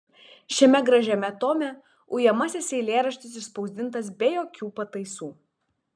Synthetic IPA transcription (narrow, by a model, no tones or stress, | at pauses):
ʃʲɛmʲɛɡɾɐʒʲɛmʲɛt̪oːmʲɛ | ʊjɛmɐsʲɪsʲɛɪlʲeːɾɐʃʲt̪ʲɪs̬ɪʃspɒʊzʲd̪ʲɪnt̪ɐsbʲɛjoːkʲuːpɐt̪ɐɪsuː